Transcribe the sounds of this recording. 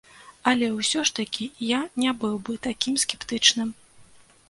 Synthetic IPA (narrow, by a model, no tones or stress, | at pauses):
ɐlʲɛwsʲɔʂt̪ɐkʲijanʲabɨwbɨt̪akʲimskʲɛpt̪ɨt͡ʂnɨm